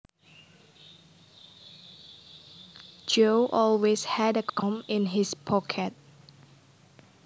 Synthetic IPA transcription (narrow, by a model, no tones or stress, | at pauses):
d͡ʒoʔɔlweshɛdəkʰɔ̃mɪ̃nɪspʰɔkʰɛt̚